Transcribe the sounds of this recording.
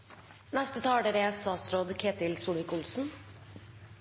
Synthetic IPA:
nɛst̪ət̪ʰɑːɖeɾest̪ɑːt̪sɾoːd̪kʰeːt̪ɪlsuːɳɪkʊlsn̩

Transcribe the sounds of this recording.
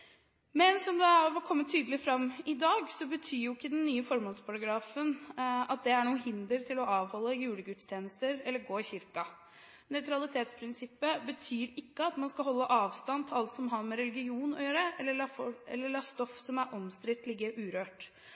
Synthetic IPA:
mɛnsɔmd̪ɛæfɔkʰɔmːət̪ʰːyːd̪əlɪfɾɑmɪd̪ɑːɡsɔbət̪ʰyːɾjʊɪkːəd̪ɛnːyːəfɔɾmɔnspʰɑɾɑɡɾɑːfənɑt̪̚d̪ɛæɳuːhɪnd̪əɾt̪ʰɪlɔɑːʋhɔlːəjʉːləɡʉt̪ːst̪ʰjeːnəst̪əɾɛlːəɾɡoːɪçɪɾkɑ | nœʏt̪ʰɾɑlɪt̪ʰeːt̪spʰɾɪnsɪpːəbət̪ʰyːɾɪkːəɑt̪mɑnskɑɦɔlːəʔɑːʋst̪ɑnt̪ʰɪlɑlt̪sɔmɦɑɾmɛɾɛlɪɡɪuːnɔ̰jøːɾəɛlːəɭɑfɔɛ̰lːəɭɑːst̪ɔfsɔmæɾʔɔmst̪ɾɪt̪ːlɪɡːəɾʔʉːɾøːʈ

